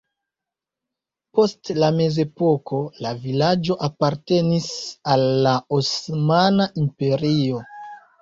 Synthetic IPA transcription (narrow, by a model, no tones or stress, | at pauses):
po̞stlame̞ze̞po̞kʰo̞lavilad͡ʒo̞ʔapaɾte̞nisalːaosmanaʔimpe̞ɾio̞